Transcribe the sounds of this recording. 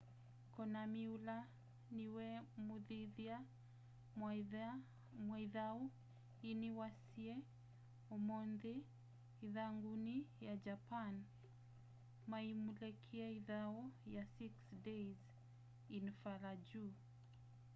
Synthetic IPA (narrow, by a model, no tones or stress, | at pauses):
kɔnamiula | niwɛmuðiðia | mwaiðau | iniwasiɛ | ɔmɔndɛ | iðaŋɡunijad͡ʒapan | maimulɛkʰiaiðaɔjasiksdejz | infaɾad͡ʒu